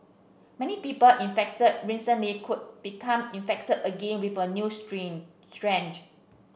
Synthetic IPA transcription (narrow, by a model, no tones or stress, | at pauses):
mɛnipiːpəlʔĩnfɛk̚təd̚ɹisə̃nlikʰud̚b̥ikʰãmĩnfɛk̚tədəɡẽnwifənjustɹĩm | stɹɛ̃nd͡ʒ